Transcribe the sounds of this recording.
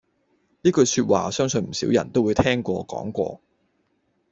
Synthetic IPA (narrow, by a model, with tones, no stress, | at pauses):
niː˥kɵ˧sy˧t̚wa̰ː˨sœː˥ŋsɵ˧nm̩˨˩sḭː˨˥wjɐ̰˨˩nt̪o˥wːu˨˥jt̪ʰɛː˥ŋkʷɔː˧kɔ̰ː˨˥ŋkʷɔ̰ː˧